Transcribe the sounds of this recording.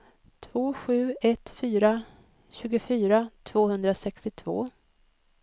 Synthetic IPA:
t̪ʰv̥oːɧʉ̟ːɛt̪fyːɾa | ɕʉ̟ːɡʊfyːɾat̪ʰv̥oːhɵnd̪ɾasɛkst̪ɪt̪ʰvo̰ː

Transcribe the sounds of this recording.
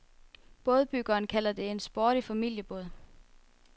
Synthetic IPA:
b̥ɔ̽ð̞ˠb̥yɡ̥ɐːnkʰæl̰ɐd̥e̝e̝nsb̥oːɾ̥ifæmil̰jəb̥ɔ̽ðˠ

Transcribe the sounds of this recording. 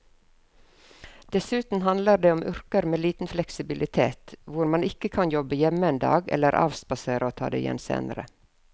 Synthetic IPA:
d̪̥ɛsʉːt̪n̩ɦɑnd̪ləɾɖeːɔmʔʏɾkəɾmeːliːt̪n̩flɛksɪbɪlʔɪt̪ʰḛːt̪ʋʊɾmɑnɪkəkʰɑnjɔbəjɛməeːnd̪ɑ̰ːɡɛ̰lːəɾʔɑ̰ːʋsbɑseːɾəoːt̪ʰɑ̰ːd̪ḛːɪjɛ̰nsḛːnə̰ɾə̰

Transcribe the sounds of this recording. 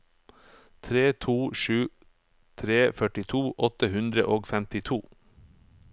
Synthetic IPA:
t̪ʰɾeːt̪ʰuːʃʉː | t̪ʰɾeːfœʈɪt̪ʰuːʔɔt̪əhʉnd̪ɾə̰ʔoːɡfɛmt̪ɪt̪ʰuː

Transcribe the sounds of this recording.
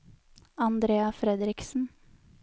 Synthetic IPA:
ɑnd̪ɾeːɑfɾɛd̪ɾɪksn̩

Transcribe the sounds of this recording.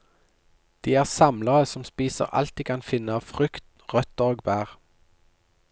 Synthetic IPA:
d̪̥iːæːʁsɑmləʁəsɔmspiːsə̰ʁʔɑ̰lt̪iːkʰɑnfɪnəɑːʋfʁʏkt̪ | ʁœt̪əʁoːɡbæːʁ

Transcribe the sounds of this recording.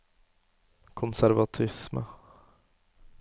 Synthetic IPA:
kʰɔnsæɾvat̪ʰɪsmə̰

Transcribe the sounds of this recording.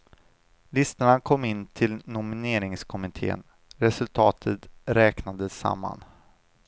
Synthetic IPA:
lɪst̪əɳakʰɔmːɪnt̪ʰɪlnʊmɪneːɾɪŋskʰɔmɪt̪ʰḛːə̰n | ɾɛsɵlt̪ʰɑːt̪ʰət̪ɾɛːknad̪əsa̰mːa̰n

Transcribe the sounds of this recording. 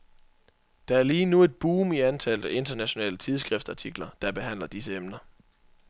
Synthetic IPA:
d̥ɑ̈æɐliːnue̝d̥̚b̥uːmiænt͡sʰæl̰d̥əe̝nd̥ɐnæɕo̝nɛ̰ːlət͡sʰið̞ˠsɡ̥ʁɛfd̥sɑ̈t͡sʰiɡ̥lɐd̥ɑ̈b̥e̝ɦæn̰lɐd̥isəemnɐ

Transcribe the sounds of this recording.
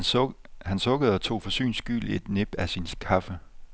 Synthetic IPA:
hænsɔ̽ɡ̥əð̩ˠɒ̽t͡sʰo̝̰ːfɒ̽sy̰ːnsɡ̥y̰ːle̝d̥ne̝b̥æsinskʰɑ̈fə

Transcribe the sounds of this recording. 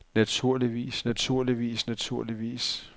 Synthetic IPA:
næt͡sʰuɐ̰liʋḭːsnæt͡sʰuɐ̰liʋḭːsnæt͡sʰuɐ̰liʋḭːs

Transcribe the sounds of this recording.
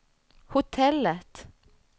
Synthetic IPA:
hʊt̪ʰɛlət̪

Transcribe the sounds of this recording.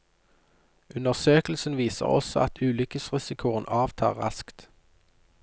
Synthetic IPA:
ʔʉnəʁsøːkl̩sn̩ʋiːsə̰ʁɔ̰sɔʔɑt̪ʰʉːlʏkəsʁɪsɪkʰʊənʔɑːʋt̪ʰɑ̰ːʁɑskt̪

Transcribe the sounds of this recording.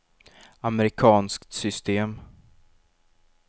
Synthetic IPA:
amɛɾɪkʰɑːnskt̪sʏst̪eːm

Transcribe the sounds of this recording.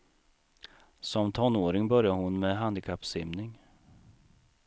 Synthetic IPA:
sɔmt̪ʰɔnːoːɾɪŋbœɾjaɾhʊnmɛɦand̪ɪkʰapːsɪmnɪŋ

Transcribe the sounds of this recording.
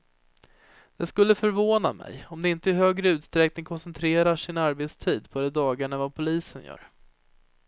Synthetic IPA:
d̪̥ɛskɵlːəfœɾvoːna̰mɛ̰jɔmd̪ɛɪnt̪əɪɦøːɡɾəʉ̟ːt̪st̪ɾɛknɪŋkʰɔnsɛnt̪ʰɾeːɾaʂɪnaɾbeːt̪st̪ʰiːd̪pʰɔd̪ɛd̪ɑːɡaɳavapʰʊliːsənjœ̰ːɾ

